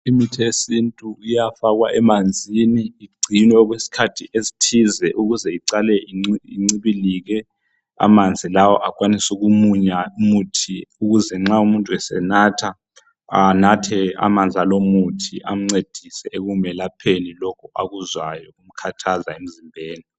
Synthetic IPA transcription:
imitʰiesintʼuijafaɣwa̰ʔɛmand͡zʱiniːɡ͡ǀʱinwɛɔɣwesi̥kʰatʰiʔezitʰizɛʔuɣuzɛiǀalɛiiŋ͡ǀiβiliɣɛ | a̰mand͡zʱilawɔʔakʼwanisuɣumuɲaumutʰiuɣuzɛŋ͡ǁaumuntʼuwɛsɛ̰natʰa | anatʰɛa̰mand͡ɮʱalomutʰiʔam̩ŋ͡ǀed̥ʱisɛʔeɣumɛlapʰenilɔkʰɔaɣuzwajɔɣum̩kʰatʰazaem̩zimbʱeːni

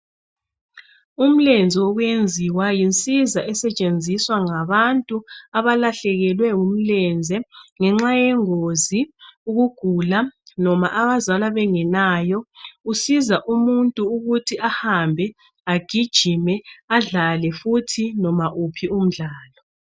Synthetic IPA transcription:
um̩lɛnd͡zʱɛwɔɣwjend͡zʱiwajint͡sʼizaʔɛsɛt͡ʃʼend͡zʱiswaŋaβantʼuaβalaɬɛɣɛlwɛum̩lɛnd͡zʱɛŋɛŋ͡ǁajɛŋoziuɣuɡ̥ʱulanɔma̰ʔaβazalaβɛŋɛnaːjɔusizaʔumuntʼuːɣutʰiahambʱɛ | aɡ̥ʱid̥ʒ̥ʱimɛaɮalɛfutʰinɔmaʔupʰium̩ɮaːlɔ

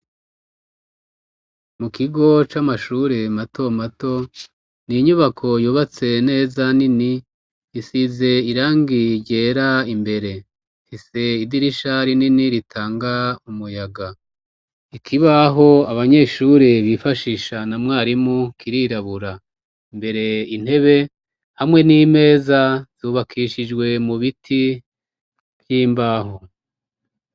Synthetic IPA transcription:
mukiɡo̞t͡ʃamaʃuːɾe̞mato̞mato̞ | niɲuβakʰo̞juːβat͡se̞ne̞ːzanini | isize̞iɾaːŋɡiɟeːɾaimbe̞ɾe̞ | fise̞idiɾiʃaɾininiɾitʰaːŋɡaumujaɡa | ikʰiβaɦo̞aβaɲe̞ːʃuɾeβifaʃiʃanamŋaːɾimukiɾiɾaβuɾa | imbe̞ɾe̞in̥he̞βe̞ | hamwe̞nime̞ːzaz̥uβakʰiʃid͡ʒɡwe̞muβitʰi | vjiːmbaːɦo

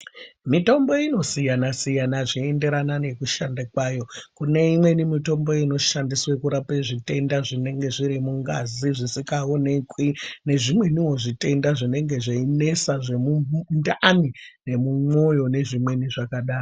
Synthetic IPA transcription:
mito̞mbo̞ino̞sijanasijanaʐiende̞ɾanane̞kuʃandakwaːjo̞kune̞imwe̞nimito̞mbo̞ino̞ʃandiswekuɾapeʐite̞ndaʐine̞ŋɡe̞ʐiɾimuŋɡa̰ziʐisikaonekwine̞ʐimwe̞niwo̞ʐite̞ndaʐine̞ŋɡe̞ʐeine̞saʐemundanine̞mumwo̞jo̞ne̞ʐimwe̞niʐakaɗaːro

